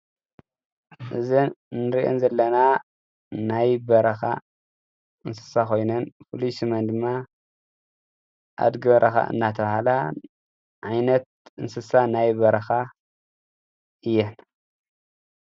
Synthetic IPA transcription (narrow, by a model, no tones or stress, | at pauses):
ʔɨzinɨɾiʔo̰nzɐlːɐna | najbɐɾɐxa̰ | ʔɨnsɨ̥saxo̞jnɐnfɨluʃimɐnd̪ɨmːa | ʔa̰d̪ɡɐβɐɾʔɐxa̰ʔɨ̰nːat̪ʰɐβahala | ʕajnɐt̪̚ɨnsɨsanajbɐɾɐxa | ʔɨjːɛn